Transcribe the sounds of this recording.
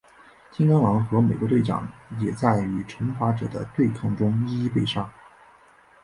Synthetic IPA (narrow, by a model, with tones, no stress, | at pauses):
t̪ʰi˥ŋkɑ˥ŋlɑ˧˥ŋxɤ˧˥me˨˩ɪkwɔ˧˥t̪we˥˩ɪʈ͡ʂɑ̰˨˩˦ŋjɛ˨˩t͡sa˥˩ɪy˨˩ʈ͡ʂʰɤ˧˥ŋfa˧˥ʈ͡ʂɤ̰˨˩d̪ə̰˦t̪we˥˧ɪkʰɑ˥˩ŋʈ͡ʂʊ˥ŋi˥i˥i˥pe˥˧ɪʂɑ˥˩